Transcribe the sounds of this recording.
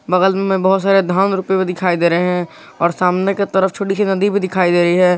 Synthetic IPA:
bɐɣəlmẽmẽbɔɦʊt̪saːɾed̪ʱaːnɾʊpebid̪ɪkʰaːid̪eːɾəɦeɦɛ̃ | ɔːɾsaːmneket̪əɾəft͡ʃʰoːʈisinɐd̪ibid̪ɪkʰaːid̪eːɾəɦiɦɛː

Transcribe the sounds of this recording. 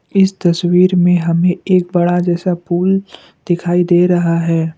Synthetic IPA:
ɪst̪ɐswiːɾmẽɦɐmẽeːk̚bɐɽad͡ʒɛːsapʰuːl | d̪̥ɪkʰaːid̪eːɾɐɦaɦɛː

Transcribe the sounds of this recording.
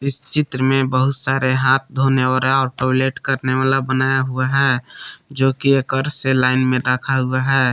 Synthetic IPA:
ɪst͡ʃɪt̪ɾəmẽbəɦʊt̪saːɾeɦaːt̪̚ʰd̪ʱoneəɾaɔːɾʈɔleʈkəɾneʋaːlabənaːjaɦuaɦɛd͡ʒoːkiekəɾselaːɪnmẽɾəkʰaɦuaɦɛː

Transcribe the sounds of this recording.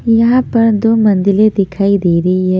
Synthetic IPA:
jɐɦãpɐɾd̪oːmɐ̃nd̪ɪled̪ɪkʰaːid̪eːɾɐɦiɦɛː

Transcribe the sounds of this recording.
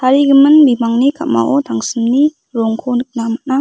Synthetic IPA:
t̪ʰaɾiɡimɯnbimaŋnikʰama̰ʔɔt̪ʰaŋsɯmni | ɾɔŋkʰonɯk̚namana

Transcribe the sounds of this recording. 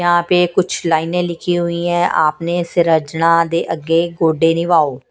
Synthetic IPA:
jɦãːpeːkʊt͡ʃʰlaːɪnẽːlɪkʰiːɦʊiːɛ̃ːʔa̰ːpneːsɪɾəd͡ʒnãːd̪eːʔəɡːeːɡoːɖeːnĩʋaːoː

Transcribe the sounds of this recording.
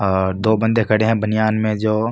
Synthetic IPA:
ɔːɾd̪oːbə̃nd̪ekəɽẽɦɛ̃bənɪjaːnmẽd͡ʒoː

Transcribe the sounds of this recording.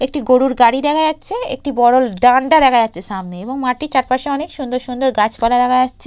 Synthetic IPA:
ek̚ʈiɡoɽuɾɡaɽid̪ɛkʰajatːɕʰeḛk̚ʈibɔɽolɖaɳɖad̪ɛkʰajatːɕʰeʃamneeboŋmaʈit͡ɕaɾpaʃeɔnekʃund̪oɾʃund̪oɾɡat͡ɕpalad̪ɛkʰajatːɕʰe

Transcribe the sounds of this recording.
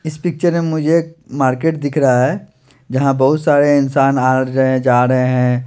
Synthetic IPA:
ɪspɪk̚t͡ʃəɾmemʊd͡ʒʱek̚maːɾkeːʈd̪ɪkʰɾɐɦaɦɛː | d͡ʒɐɦãbɐɦʊt̪saːɾeɪnsaːnaːɾɐɦẽd͡ʒaːɾɐɦẽɦɛ̃

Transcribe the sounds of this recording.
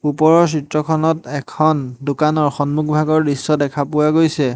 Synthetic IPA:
upɔɹɔɹsitɹɔkʰɔnɔtɛkʰɔndʊkanɔɹxɔnmukbʱaɡɔɹdisɔdɛkʰapʊwaɡojsɛ

